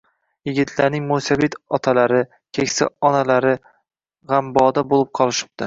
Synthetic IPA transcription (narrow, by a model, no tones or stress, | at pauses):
jɪɡʲɪt̪ʰlaɾnɪŋmosabɪt̪ɒt̪ʰalaɾɪ | kʲʰekʲsɪ̰ɒnalaɾɪ | ʁɑmbɒd̪abolˠɪp̚qʰɒlˠɪʃɪ̥p̚t̪ɪ